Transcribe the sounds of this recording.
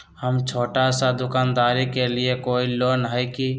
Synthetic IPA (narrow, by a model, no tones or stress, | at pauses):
həmt͡ʃʰoːʈasãd̪ʊkaːnd̪aːɾikeliekoːiloːnɦəjki